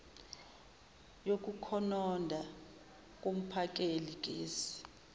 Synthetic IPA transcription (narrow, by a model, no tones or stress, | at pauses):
jok̬ʼukʰɔnɔndʱa | k̬ʼom̩pʰak̬ʼelik̬ʼeːsi̥